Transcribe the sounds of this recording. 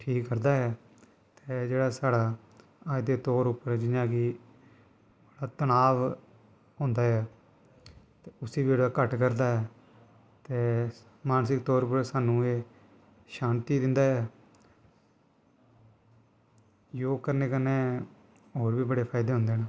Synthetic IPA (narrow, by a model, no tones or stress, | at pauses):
ʈʰiːkːəɾd̪aːɛː | t̪eːd͡ʒeːɽaːsaːɽaː | aːd̪eːt̪ɔːɾʊpːəɾd͡ʒɪnãːɡiː | bəɽaːt̪ənaːʋ | ɦõnd̪aːɦɛː | t̪eːʊsiːbiːd͡ʒɽaːkəʈkəɾd̪aːɛː | t̪eː | maːnsɪkt̪ɔːɾʊpəɾsaːnũːeː | ʃaːnt̪iːd̪ɪnd̪aːɛː | joːkəɾneːkənːeː | ɦoːɾʋiːbəɽeːpʰaːɪd̪eːɦʊ̃nd̪eːnaː